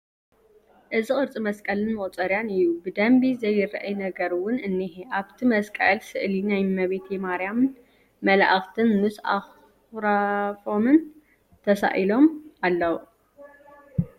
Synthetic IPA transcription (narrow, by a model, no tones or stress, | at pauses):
ʔɨzixʼɨɾt͡sʼimɐskʼɐlɨnmɐʔʼt͡sʼɐɾjanɨjːubɨd̪ɐmbizɐjɪɾʔɐjnɐɡɐɾwʊnɨnːiɦeʔaβt̪ʰimɐskʼɐ̰lsɨʔlinajmɐβet̪jɛmaɾjamn | mɐla̰ʔaxt̪ʰɨnmɨsʔa̰x | ɾafo̞mɨn | t̪ʰɐsa̰ʔilo̞malːɐw